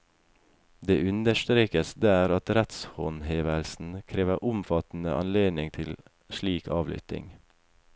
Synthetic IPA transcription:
d̪eːʔʉnd̪əʃt̪ɾeːkəsd̪æːɾɑt̪ɾɛt̪shɔnheːʋəlsn̩kʰɾeːʋəʔʊmfɑt̪n̩əʔɑnleːd̪nɪŋt̪ʰɪl | ʃɭiːkʰɑːʋlʏ̰t̪ɪ̰ŋ

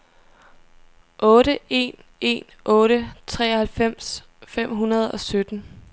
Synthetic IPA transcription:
ʔɔ̽ːɾəe̝̰ːn | e̝̰ːn | ʔɔ̽ːɾət͡sʰʁɛ̰ːɒhælfem̰s | fem̰ɦunɐð̞̩ˠɒ̽sød̥n̩

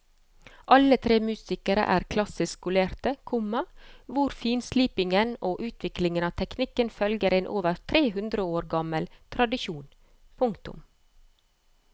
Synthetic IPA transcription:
ʔɑlət̪ʰɾeːmʉːsɪkəɾə̰ʔæːɾkʰlɑsɪskʊleːɾt̪əkʰʊmɑʋʊɾfiːnsliːpɪŋənoːʔʉːt̪ʰʋɪklɪŋənɑːʋt̪ʰɛknɪkənfœlɡəɾeːnʔoːʋəɾt̪ʰɾeːhʉnd̪ɾəoːɾɡɑməlt̪ʰɾɑd̪ɪʃuːn | pʰʊŋkt̪ʊ̰m

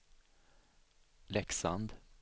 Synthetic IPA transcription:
lɛksa̰nd̪

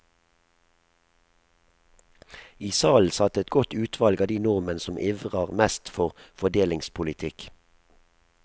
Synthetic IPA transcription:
iːsɑːl̩sɑt̪ɛt̪ɡɔt̪ʉːt̪ʰʋɑlɡɑːd̪iːnɔʁmənəsɔmʔɪʋʁəʁmɛst̪fɔʁfɔd̪eːlɪŋspʰʊlɪt̪ʰɪk

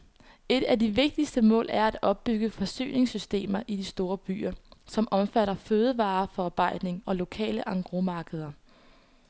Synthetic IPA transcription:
e̝d̥æd̥iʋe̝ɡ̥̚d̥isd̥əmɔ̰̽ːlæɐæd̥ɒ̽b̥ːyɡ̥əfɒ̽sy̰ːne̝ŋsysd̥e̝̰ːmɐʔid̥isd̥o̝ːɐb̥y̰ːɐsɒ̽mʔɒ̽mfæɾɐføːð̞ˠəʋɑ̈ːfɒɑ̈ːb̥ɑ̈ɪ̰d̥ne̝ŋɒ̽lo̝kʰɛ̰ːləʔɑ̈ŋɡ̥ʁomɑ̈ːɡ̥əð̞ˠɐ

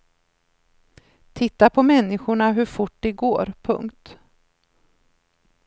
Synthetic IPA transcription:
t̪ʰɪt̪ːapʰɔmɛnːɪɧʊɳaɦɵɾfʊʈ̚ːd̪ɛɡoːɾpʰɵ̰ŋkt̪

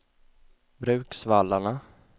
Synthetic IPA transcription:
bɾʉ̟ːksvalːaɳa

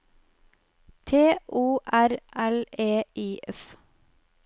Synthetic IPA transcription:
t̪ʰeːʔuːʔæɾʔæleːʔiːʔɛf

